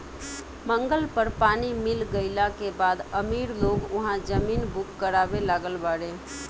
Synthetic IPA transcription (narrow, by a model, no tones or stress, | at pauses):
mə̃ŋɡəlpəɾpaːnimɪlɡəɪlãkebaːd̪əmiːɾloːɡʊɦãd͡ʒəmiːnbʊkːəɾaːbelaːɡəlbaːɽẽː